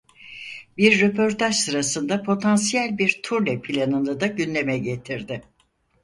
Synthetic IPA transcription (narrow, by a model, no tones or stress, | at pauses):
biɾːepʰo̞ɾt̪ʰaʒsɯɾasɯnd̪apʰo̞t̪ʰansijælʲbiɾt̪ʰuɾlʲɛpʰilʲanɯnɯd̪aɟynd̪e̞mɛɟe̞t̪ʰiɾd̪ɪ